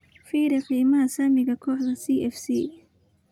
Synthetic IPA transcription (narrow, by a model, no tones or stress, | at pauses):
fiːɾɛqiːmɐɦɐsaːmɪɣɐkʰɔːħðɐsiːʔɛfsiː